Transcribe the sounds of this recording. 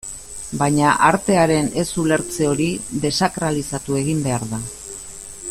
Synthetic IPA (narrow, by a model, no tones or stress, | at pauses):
bajɲaʔaɾt̪e̞aɾe̞ne̞sule̞ɾt͡se̞o̞ɾiðe̞sakɾalisat̪ue̞ɣ̞imbe̞aɾða